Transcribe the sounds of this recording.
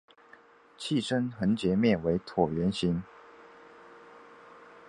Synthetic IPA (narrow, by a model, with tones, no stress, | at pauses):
t͡ɕʰi˥˨ʂə˦nxə˧˥nt͡ɕjɛ˧˥mjɛ˥˨˩nwe˧˥ɪt̪ʰwɔ˨˩ɥɛ˨˧˥nɕi˧˥n